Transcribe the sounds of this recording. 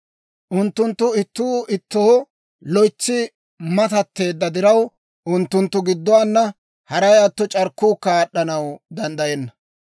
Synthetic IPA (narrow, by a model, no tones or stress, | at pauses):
ʔʊnt̪ːʊnt̪ːʊɪt̪ːuːʔɪt̪ːoː | lɔjt͡sːɪ | mɐt̪ɐt̪ːe̞ːd̪ːɐd̪ɪɾɐw | ʔʊnt̪ːʊnt̪ːʊɡɪd̪ːɔwaːnːɐ | hɐɾɐjaːt̪ːɔt͡ʃʼɐɾkːuːkːaːɗːɐnɐwd̪ɐnd̪ɐjɛnːɐ